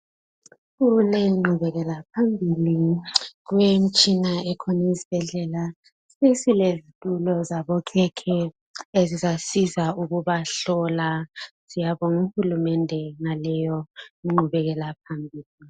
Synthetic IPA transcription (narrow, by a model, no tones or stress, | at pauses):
ɣulɛŋ͡ǃʱuβɛɣɛlap̚ʰambʱiliɣwem̩t͡ʃʼinaɛkʰɔnezi̥b̥ʱɛɮɛla | sesilezitʼulɔzaβɔkʰɛkʰɛ | ezizasizauɣuβaɬɔlasijaβɔŋuxulumɛndʱɛŋalɛjɔŋ͡ǃʱuβɛɣɛlap̚ʰambʱiːli